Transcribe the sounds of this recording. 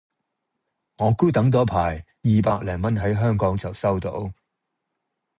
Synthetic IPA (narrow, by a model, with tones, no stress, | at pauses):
ŋɔː˨˧kuː˥t̪ɐ˨˥ŋt̪ɔː˨˥pʰaː˨˩j | jiː˨paː˧k̚lɛː˨˩ŋmɐ˥nɦɐ˨˥jɦœː˥ŋkɔː˨˥ŋt͡sɐ˨˩wsɐ˥wt̪o̰˨˥w